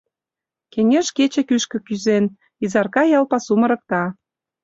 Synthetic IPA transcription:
keŋeʃket͡ɕĕkyʃkə̆kyzen | izɑrkɑjɑlpɑsumə̆ɾɤ̆k̚t̪ɑ

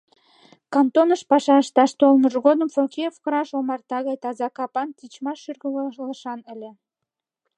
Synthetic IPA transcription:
kɑnt̪onəʃpɑʃɑʃt̪ɑʃt̪olməʒɣod̪əmfokʲeofkəɾɑʃomɑrt̪ɑɣɑjt̪ɑzɑkɑpɑnt̪it͡ɕmɑʃyrɣəlləʃɑnə̆lʲĕ

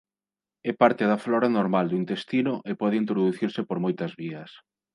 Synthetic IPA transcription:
ɛpaɾt̪ɪðɐflɔɾanoɾmald̪uint̪est̪inʊʔepɔðɪint̪ɾoðuθiɾsɪpoɾmojt̪ɐzβiɐs

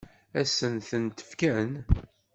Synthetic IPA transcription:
æsənθənt̪ə̥fkæn

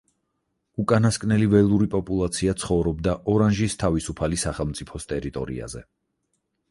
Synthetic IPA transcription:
ukʼanaskʼnɛlivɛlˠuɾipʼɔpʼulˠat̪sʰiat̪sʰχɔvɾɔbd̪aʔɔɾanʒist̪ʰavisupʰalisaχɛlˠmt̪sʼipʰɔst̪ʼɛɾit̪ʼɔ̰ɾḭa̰zɛ

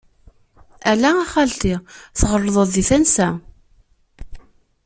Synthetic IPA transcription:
ælææχælt̪iθʁərˤːðˤəðˤðiθænsæ

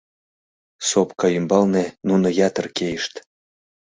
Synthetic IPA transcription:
sopkɑymbɑlnenunojɑt̪ərkejəʃt̪

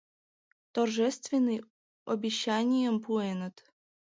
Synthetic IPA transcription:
t̪orʒɛst̪vʲɪnːɨj | ɔbʲiɕːanʲijəmpuɛnət̪

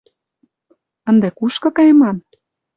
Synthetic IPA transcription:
ə̆nd̪ekuʃkɤ̆kɑjemɑn

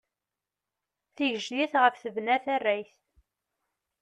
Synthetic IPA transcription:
θiʝəʒliθʁəfθəvnæθærːæjθ

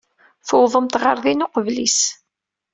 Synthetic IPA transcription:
fəwðˤəmt̪ʁəɾˤðinʊqəvlis

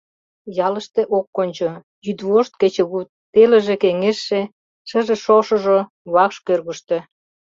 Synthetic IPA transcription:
jɑlə̆ʃt̪ĕʔokːonʲt͡ɕo | jyd̪βoʃt̪̚ket͡ɕĕɣut̪̚ː | elə̆ʒĕkeŋeʃːe | ʃə̆ʒĕʃoʃŏʒo | βɑkʃkørɣuʃt̪ĕ

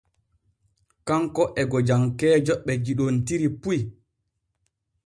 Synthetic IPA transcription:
kaŋkɔʔɛɡɔd͡ʒaŋkɛːd͡ʒɔɓːɛd͡ʒiɗontiɾipuj

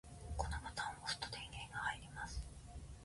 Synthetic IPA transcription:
konomat̪ãofɯ̥t̪o̥t̪ẽŋɡẽiɡahaiɾʲimasɨ̥

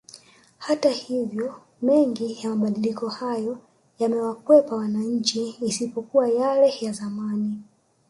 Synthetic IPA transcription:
hatahivjɔ | mɛŋɡijamaɓaɗilikɔhajɔ | jamɛwakwɛpawanaɲ̩t͡ʃiːsipɔkuwajalɛjazamani

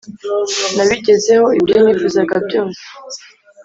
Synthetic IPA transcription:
naβiɟe̞ze̞ho̞iβɾimifuzaɡab̚ɟoːnse̥

